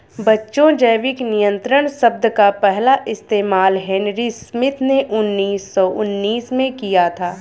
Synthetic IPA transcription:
bɐtːʃõd͡ʒəjʋɪknɪjə̃nt̪ɾəɽ̃sɐb̚d̪kapɛɦlaʔɪst̪eːmaːlɦenɾismɪt̪ʰneʔʊnːiːsːɔʔʊnːiːsmẽkijat̪ʰaː

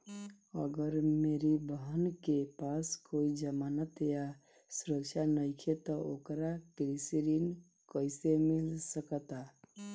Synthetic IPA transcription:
ə̰ɡəɾmeɾibəɦənkepaskoid͡ʒəmanət̪ja | suɾəkt͡ʃʰanəjkʰet̪ɔokɾakɾisiɾin | kəjsemilsəkət̪a

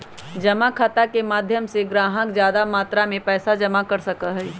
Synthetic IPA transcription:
d͡ʒɐmakʰat̪akemaːd̪ʱjəmseɡɾaːɦəkzjaːd̪amaːt̪ɾamẽpɛːsad͡ʒɐmakɐɾsɐkaɦɛː

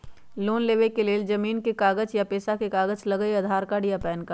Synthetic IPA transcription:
loːnleːʋekeleːld͡ʒɐmiːnkekaːɡət͡ʃjapeːsakekaːɡəd͡ʒlɐɡəeɐd̪ʱaːɾkaɖijapɛːnka

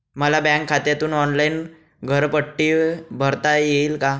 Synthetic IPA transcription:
məlabɛ̃ŋkʰːat̪jat̪uːnɔnlain | ɡʱəɾpəʈːiːbʱəɾt̪ajeiːlka

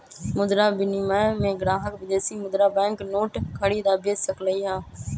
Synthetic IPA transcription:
mʊd̪ɾaːbɪniːməmẽːɡɾaːɦəkʋɪd̪eːsiːmʊd̪ɾaːbɛ̃ːŋknoːʈkʰəɽiːd̪aːbeːsəkləiːɦãː

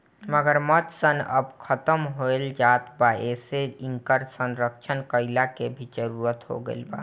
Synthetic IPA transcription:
məɡəɾmət̪sənə̰bkʰət̪əmɦoeld͡ʒaːt̪baeseɪ̃ŋkəɾsənɾəkʃʰənkəɪlakebʱid͡ʒəɾuːɾət̪ɦo̰ɡə̰ḛlba̰

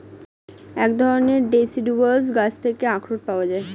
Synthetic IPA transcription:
ɛkd̪ʱɔɾoneɾɖesiɖubals̬ɡat͡ɕʰt̪ʰekeakɾoʈ̚paoad͡ʑae

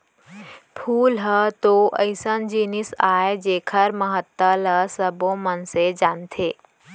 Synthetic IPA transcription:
pʰuːlɦət̪oʔə̰ɪsənd͡ʒiːnisaːed͡ʒeːkʰəɾməɦət̪ːələsəbõmənsed͡ʒaːnt̪ʰeː

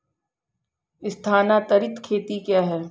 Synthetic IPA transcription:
ɪst̪ʰaːnat̪ɐɾɪt̪kʰeːt̪ikjaːɦɛː

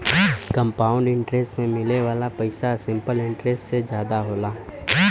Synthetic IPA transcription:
kə̃mpaːʊ̃ɳɖɪ̃ɳʈɾesʈmẽmɪleʋaːlapɐɪsasɪ̃mpəlɪ̃ɳʈɾesʈsed͡ʒjaːd̪aɦoːlaː

